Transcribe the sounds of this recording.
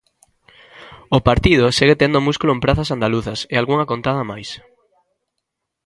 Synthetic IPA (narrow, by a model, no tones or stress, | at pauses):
ʊpaɾt̪ið̞ʊseɣet̪end̪ʊmuskulʊempɾaθɐsand̪aluθɐsealɣuŋakont̪að̞ɐmajs